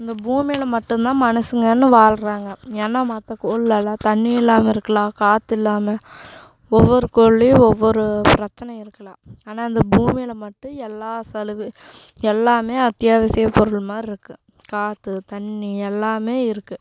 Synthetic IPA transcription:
ɪnd̪ɐbuːmɪlɐmɐʈːɯ̃nt̪ãːmɐnɐsɯŋɡɐnːɯʋaːlɾaːŋɡɐɛːnːɐmɐt̪ːɐkoːɭlɐlɐt̪ɐɳːiɪlːaːmɐɪɾɯkːɐlãːkaːt̪ːɪlːaːmɐ | ɔʋːɔɾɯkoːɭːiɔʋːɔɾɯpɪɾɐt͡ʃːɐnɐɪɾɯkːɐlaːaːnaːɪnd̪ɐbuːmɪlɐmɐʈːɯ̃ɛlːaːsɐlɯ | ɛlːaːmeːɐt̪jaːʋɐsɪjɐpːɔɾɯɭmaːd̪ɾɪɾɯkːɯ | kaːt̪ːɯt̪ɐɳːiɛlːaːmeːɪɾɯkːɯ

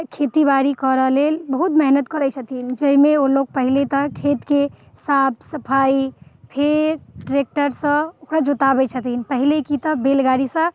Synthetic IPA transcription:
kʰet̪ibaɾikəɾəɦlelbəɦut̪mɛɦnət̪kəɾɛt͡ʃʰət̪ind͡ʒəimeoloɡ̚pəɦilet̪əkʰet̪ke | sabsəpʰaipʰeɾɖɾek̚ʈəɾsə̃okɾad͡ʒot̪abɛt͡ʃʰət̪inpəɦilekit̪əbelɡaɾisə̃

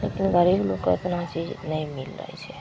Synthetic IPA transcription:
leːkinɡəɾiːbloka̰t̪nãt͡ʃiːd͡ʒnəĩmɪlɾə̰ɛ̰t͡ʃʰɛ

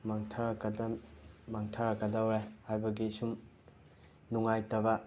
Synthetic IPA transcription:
maŋtʰɐɾkdmaŋtʰaɾɐkɐdawɾehajbɐɡisum | nuŋajtɐβɐ

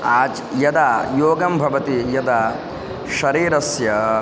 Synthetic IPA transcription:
aːd͡ʒ | jɐd̪aːjoːɡɐmbʱɐʋɐt̪ijɐd̪a | ʃɐɾiːɾɐsjɐ

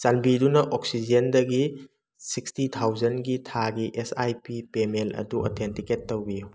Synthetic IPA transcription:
t͡ʃanbidunɐʔoksid͡ʒendɐɡi | sikstitʰawd͡ʒɐnɡitʰaɡiʔesajpipemelʔɐ̰duɐ̰tʰentiketːɐwbi

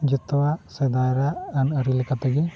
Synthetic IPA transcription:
d͡ʒɛt̪ɔwasɛd̪ajɾaːnəɾilɛkat̪ɛɡɛ

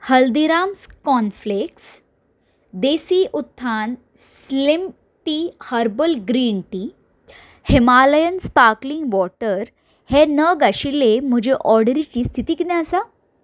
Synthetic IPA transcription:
həld̪iɾamskɔnfleks | d̪esiːʔut̪ʰːan | sslim | ʈihəɾbəlɡɾiɳʈi | hemaləjənspaɾkliŋɡʋɔʈəɾ | henəɡaɕilem̤əd͡ʑeʔɔɾɖəɾit͡ɕiːst̪ʰit̪iːkid̪ɛ̃əsa

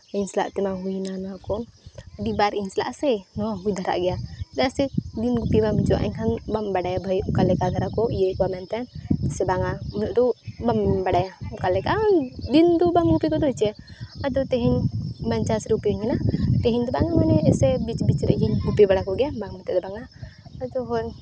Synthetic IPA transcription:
iɲsla̰ʔt̪ɛmaɦujnanakɔndibaɾiɲsɛla̰ʔsɛnɔaɦujd̪ʱaɾa̰ʔɡɛjad̪asɛd̪inɡupibamt͡ʃɔa̰ʔḭɲkʰanbambaɽajabʱəjukalɛkad̪ʱaɾakɔjɛkɔbamɛnt̪ɛnsɛbaŋamɔlɔʔd̪ɔbambaɽajaukalɛkad̪ind̪ɔbamɡupikɔd̪ɔit͡ʃɛad͡ʒɔt̪ɛɦiɲbaɲt͡ʃasɾupiuɲkɛnat̪ɛɦiɲd̪ɔbaŋamanɛɛsɛbit͡ʃbit͡ʃɾɛ̰ʔd͡ʒiɲɡupibaɽakɔɡɛabaŋmɛt̪ɛd̪ɛbaŋaad͡ʒɔɦɔn

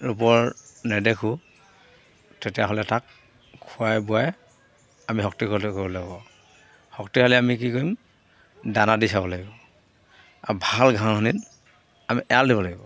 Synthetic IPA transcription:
ɹup̬ɔɹnɛdɛkʰu | tetijaɦɔlɛtak | kʰːuajbuaj | amiɦɔk̚tikʰɔtkobɔlaɡibɔ | hɔktikʰalɛamik̬ikoim | danadisabɔlaɡibɔ | a̰bʱalɡʱãhɔnit | amiʔɛaldiβɔlaɡibɔ

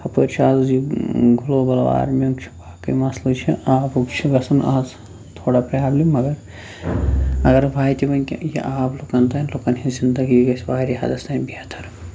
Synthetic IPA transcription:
hɐpəɾt͡ʃʰaːziɡʱulobɐla̰ːɾmjɐŋt͡ʃʰi̥baːkɐ̰mɐslɨt͡ʃʰiaːbukt͡ʃʰibɐsɐna̰ːz | t̪ʰoːɽapɾɐjaːblimɐɡɐɾ | ɐɡɐɾbʱaːit̪ibɐnkʲḭjḭʔaːblukɐnt̪aːnloːkɐnɦizind̪ɐɡiɡɐsbaːɾiɦa̰d̪ɐst̪anbiat̪ʰɐɾ

